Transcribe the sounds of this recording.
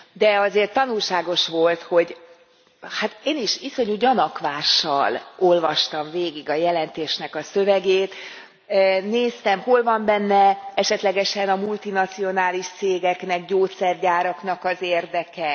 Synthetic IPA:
d̪ɛɒzeːrt̪ːɒnulʃaːɡo̞ʃʋo̞lt̪ho̞ɟ | hat̪eːniʃiso̞ɲuɟɒnɒkʋaːʃːɒ̰lo̞lvɒʃt̪ɒɱveːɡiɡɒjɛlɛnt̪eːʃnɛkɒsøvɛɡeːt̪ | neːst̪ɛmho̞lvɒmbɛnːɛɛʃɛt̪lɛɡɛʃɛnɒmult̪inɒt̪sio̞naːliʃt̪seːɡɛknɛkɟoːt̪sɛrɟaːɾɒknɒkɒzeːrd̪ɛkɛ

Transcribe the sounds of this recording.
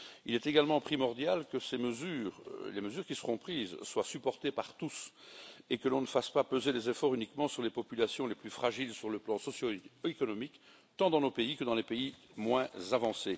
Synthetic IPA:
ḭlɛt̪eɡalmɑ̃pχimɔʁd̪jalkəseməzyːʁleməzyːʁkʲisəʁɔ̃pχiːzswasypɔʁt̪epaʁt̪us | ekəlɔ̃nəfaspapøzelezefɔʁynikmɑ̃syʁlepɔpylasjɔ̃leplyfχaʒilsyʁləplɑ̃sɔsjoekɔnɔmik | t̪ɑ̃d̪ɑ̃nopeikəd̪ɑ̃lepei | mwɛ̃zavɑ̃se

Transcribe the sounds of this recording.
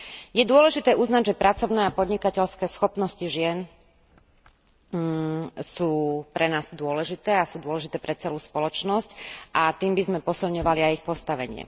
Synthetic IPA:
jɛd̪ʊɔlɛʒit̪ɛːʔuznaɟʒɛpɾat͡sɔʊnɛːapɔd̪ɲikacɛʎskɛːsxɔpnɔsciʒɪɛn | suːpɾɛnaːz̥d̪ʊɔlɛʒit̪ɛːasuːd̪ʊɔlɛʒit̪ɛːpɾɛt͡sɛluːspɔlɔt͡ʃnɔscʔat̪iːmbizmɛpɔsilɲɔʋaliajixpɔst̪aʋɛ̰ɲɪɛ̰

